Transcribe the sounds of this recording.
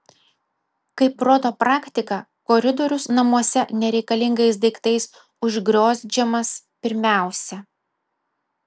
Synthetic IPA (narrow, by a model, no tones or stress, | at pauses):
kɐɪpɾɔt̪opɾɑːkʲt̪ʲɪkɐ | kɔɾʲɪd̪ɔɾʲʊsnɐmuɔsʲɛnʲɛɾʲɛɪkɐlʲɪŋɡɐɪsd̪ɐɪkt̪ɐɪs | ʊʒʲɡɾʲoːzʲd͡ʒʲɛmɐs | pʲɪɾʲmʲæˑʊsʲɛ